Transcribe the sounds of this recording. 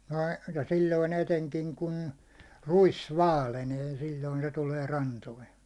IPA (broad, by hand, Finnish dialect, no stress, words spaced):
nəi jɑ sillʲoin eteŋkiŋ kun ruis ʋɑːleneː silʲːoin se tuleː rɑntoin̞